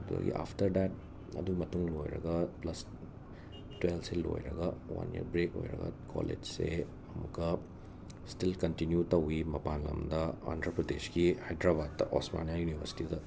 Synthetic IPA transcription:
buda̰ɡḭʔapʰtɐɾdɛt̚ | ɐ̰d̪uɡimɐtuŋlojɾɐɡɐplɐs | twelselo̰jɾɐɡɐwɐ̰njḭɾbɾeko̰jɾɐ̰ɡɐ̰kʰolḛd͡ʒse | ɐmukɐ | stilkɐntinjutɐwimɐpanlɐmd̪ɐantɾɐpɾɐd̪eskihajdɾabad̚ɐʔosma̰niajunibʱɐɾsi̥tidɐ

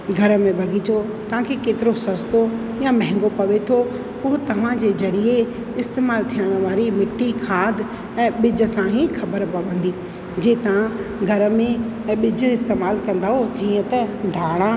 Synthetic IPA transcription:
ɡʱɐɾə̆mẽbʱɐɡʱit͡ɕo | t̪ɐʋ̤ãkʰekeːt̪ɪɾosɐst̪o | jamɐ̃ɦɪ̃ŋ̆ɡopɐʋet̪ʰo | pʊɦʊt̪ɐʋ̤ãd͡ʑeːzɐɾie | ɪst̪eːmaːlt̪ʰijəɽ̃ə̆ʋaːɾimɪʈːikʰaːd̪ʱ | ɛ̃ːɓɪd͡ʑʱə̆sãɦixʰɐbəɾpɐʋə̃nd̪iː | d͡ʑeːt̪ɐʋ̤ãɡʱɐɾəmẽɛ̃ːɓɪd͡ʑʱə̆ɪst̪eːmaːlkɐ̃nd̪aɦod͡ʑiːə̃t̪əd̪ʱaːɽ̃ã

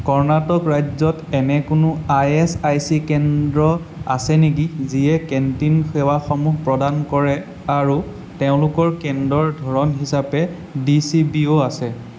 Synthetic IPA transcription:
kɔɹnatɔkɹajzɔtɛnɛkʊnʊajɛsajsikɛndɹɔ | a̰sɛnik̬iziɛkɛntinxɛwaxɔmuɦpɹɔdankɔɹɛ | aɹu | teʊ̃lʊkɔɹkɛndɹɔɹdʱɔɹɔnɦisapɛ | disibioasɛ

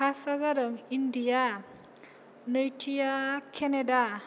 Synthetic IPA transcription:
asazaɾɔŋindija | nɯjtʰijakʰeneda

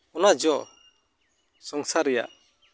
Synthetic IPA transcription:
ɔnad͡ʒɔ | sɔŋsaɾɛja̰ʔ

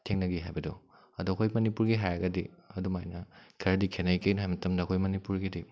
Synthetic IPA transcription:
tʰeŋnɐɡiɦajbɐdɔ | ɐduɐkʰojmɐnipuɾɡiɦajɐɡɐdiɐdumajnɐkʰɐɾɐdikʰenɐjkejnɐɦajmɐtɐmdɐɐkʰojmɐnipuɾɡidi

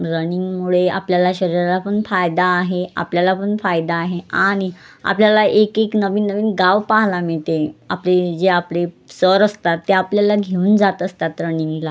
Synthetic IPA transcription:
ɾəniŋɡmuɭeapljalaɕəɾiɾalapəɳfajd̪aːɦea̰pljalapəɳfajd̪aːɦeaɽ̃ia̰pljalaʔekeknəʋiːnːəʋiːnɡaʋpaɦlamiɭt̪eapled͡zeaple | səɾəst̪at̪ːeapljalaɡʱeuːnd͡zat̪əst̪at̪ɾəniŋɡla

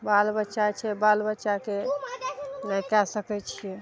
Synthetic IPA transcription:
balbətːʃat͡ʃʰɛbalbətːʃake | najkasəkɛt͡ʃʰijɛ

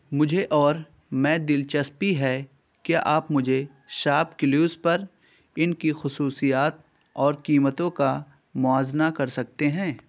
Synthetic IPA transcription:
mʊd͡ʒʱeʔɔːɾ | mɛ̃ːd̪ɪlt͡ʃəspiɦɛ | kjaʔaːpmʊd͡ʒʱe | ʃaːpkɪluːzpɐɾ | ɪnkixʊsuːsijaːt̪̚ | ɔːɾkiːmət̪õka | mʊaːznakɐɾsɐk̚t̪eɦɛ̃ː

